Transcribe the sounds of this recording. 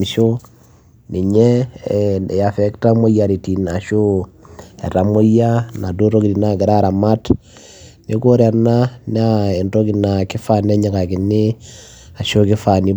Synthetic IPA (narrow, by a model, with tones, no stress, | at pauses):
ʃo˦ | ni˨ɲe˦˨ | ja˨fe˦kta˦mo˦ja˨ɾi˨ti˨na˨ʃo˦ | ḛ˨ɾa˨mo˦ja˦na˨do˦ɾo˦ɡidi˨na˨ɡi˨ɾa˦ɾa˨ma˦t | ni˦ko˦ɾe˨ɾna˦n˦a˦e˨ndo˦ɡi˦na˨ki˦fa˨ne˦ɲi˨ka˨ki˨nːi˦ | a˨ʃo˦kɪ˦fa˨ni˦